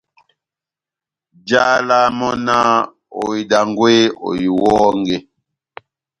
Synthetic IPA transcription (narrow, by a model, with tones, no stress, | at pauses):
d͡ʒa˦la˦mɔ˦na˦ | o̰˨i˨da˨ŋɡwe˦o̰˨ji˨wɔː˦ŋɡe˦